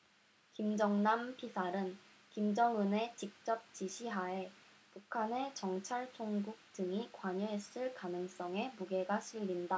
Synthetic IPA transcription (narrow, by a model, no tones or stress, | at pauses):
kimd͡ʑʌŋnampʰisʰaɾɯn | kimd͡ʑʌŋune̞t͡ɕik̚t͡ɕ͈ʌp̚t͡ɕiɕʰiɦae̞ | pukʰane̞t͡ɕʌŋt͡ɕʰaɭt͡ɕʰoŋɡuk̚tɯŋikwaɲʌes͈ɯɭkanɯŋs͈ʌŋe̞muɡe̞ɡaɕʰiʎːinda